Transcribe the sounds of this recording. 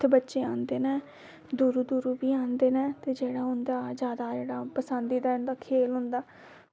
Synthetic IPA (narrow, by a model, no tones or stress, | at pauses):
t̪ʰbətːʃeːãːnd̪eːnɛ̃ː | d̪uːɾuːd̪uːɾuːbiːãːnd̪eːnɛ̃ːt̪eːd͡ʒeːɽaːɦʊ̃nd̪aːd͡ʒjaːd̪aːd͡ʒeːɽaːpəsənd̪iːd̪aːʊnd̪aːkʰeːlɦʊ̃nd̪aː